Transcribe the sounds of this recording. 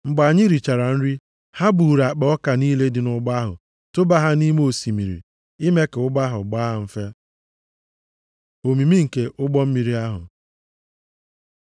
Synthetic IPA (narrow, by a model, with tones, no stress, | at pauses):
ŋ͡m̩˦ɡ͡ba˨ɲɪ˦ɾi˨t͡ʃa˨ɾa˨n̩˦ɾi˦ | ha˦bu˨ɾa˨k͡pa˨ɔ˦ka˨niː˦le˦dɪ˨nʊ˦ɡ͡ba˦ɦʊ̰˨ | tʊ˦ba˦ɦa˦ni˦me˦o˨si˨mḭ˨ɾḭ˨ | i˦me˦ke˨ʊ˦ɡ͡ba˦ɦʊ̰˨ɡ͡baː˦a˨m̩˦fe˦ | o˨mi˨mi˦ŋ̩˨ke˨ʔʊ˦ɡ͡bɔ˦m̩˦mi˨ɾi˦a˦ɦʊ̰˨